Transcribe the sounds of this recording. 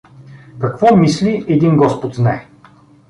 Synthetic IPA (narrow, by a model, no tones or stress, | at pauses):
kɐkvɔmisliʔɛd̪inɡɔspot̪znaɛ